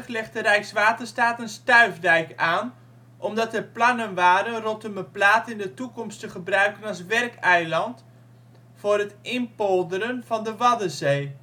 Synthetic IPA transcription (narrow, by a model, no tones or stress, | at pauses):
χlɛχtdərɛjksʋaːtərstaːtənstœɥvdɛjkaːn | ʔɔmdɑtəplɑnənʋaːɾənrɔtəməplaːtɪndətukɔmstəχəbrœɥkənɑsʋɛrkɛjlɑnt | fʊːrətʔɪnpɔlˠdəɾənv̥ɑndəʋɑdəzeː